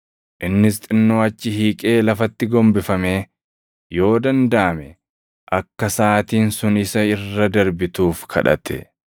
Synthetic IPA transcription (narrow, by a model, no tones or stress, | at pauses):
ʔɪnːɪst̪ʼɪnːoːɐt͡ʃːɪhiːkʼe̞ːlɐfɐt̪ːɪɡɔmbɪfɐme̞ː | jo̞ːd̪ɐnd̪ɐʔɐmɛ | ʔɐkːɐsaːt̪iːnsʊnɪsɐɪrːɐd̪ɐɾbɪt̪uːfkʰɐ̰ᶑɐ̰t̪ʰɛ̰